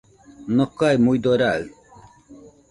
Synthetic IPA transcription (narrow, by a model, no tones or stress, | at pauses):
nɔkajmujd̪oɾal